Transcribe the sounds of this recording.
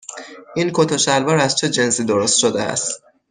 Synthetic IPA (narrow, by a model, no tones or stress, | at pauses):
ʔinkʰot̪ʰɒʃælvɒːɾæz̥t͡ʃʰed͡ʒe̞nsiːd̪oɾo̞st̪ʃod̪ḛæ̰st̪